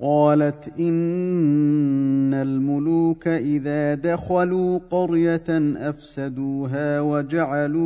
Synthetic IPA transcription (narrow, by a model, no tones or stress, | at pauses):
qɑːlat̪ʔɪn | almʊluːkaʔɪðaːd̪axaluːqɑɾjaʔafsad̪uːɦaːwad͡ʒaʕaluː